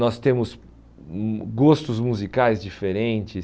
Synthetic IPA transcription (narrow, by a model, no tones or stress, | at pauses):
nɔst̪ẽmʊs | ɡost̪ʊzmuzikajzd͡ʒifeɾẽnt͡ʃɪ